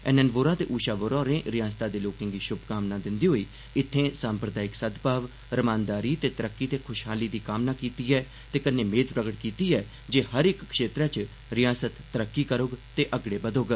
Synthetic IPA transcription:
ɛ̰nɛnʋoːɾãːt̪ḛːʔuːʃaːʋoɾɔːɾẽːɾɪjaːst̪aːd̪eːloːkɪ̃ŋɡiːʃʊbkaːmnaːd̪ɪnd̪iːɦoːiː | ɪt̪ʰːẽːsãːmpɾəd̪aːɪksəd̪paːʋ | ɾəmãːnd̪aːɾiːt̪eːt̪əɾəkːiːt̪eːkʰʊʃɦaːliːd̪iːkaːmnaːkiːt̪iːɛː | t̪eːkənːeːmeːd̪pɾəɡəʈkiːt̪iːɛː | d͡ʒeːɦəɾɪkkʃeːt̪ɾɛ̃ːt͡ʃ | ɾɪjaːsət̪ːəɾəkːiːkəɾoɡt̪eːʔəɡɽeːbəd̪oːɡ

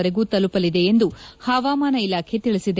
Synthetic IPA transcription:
ɐɾeɡuːt̪ɐlupɐlid̪e̞ːnd̪uhaːʋaːmaːnɐilaːkʰe̞t̪iɭisid̪e

